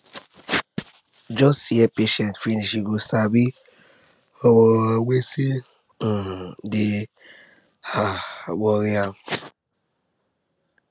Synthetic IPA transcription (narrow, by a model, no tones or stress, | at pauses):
d͡ʒɔstiepeʃɛntfiniʃiɡosabi | ɔwɔwesi | de | haɡ͡bɔɾia